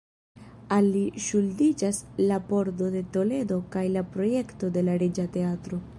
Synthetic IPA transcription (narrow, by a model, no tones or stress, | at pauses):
alːiʃuldid͡ʒaslapo̞ɾdo̞de̞to̞le̞do̞kajlapɾo̞je̞kto̞de̞laɾid͡ʒate̞atɾo̞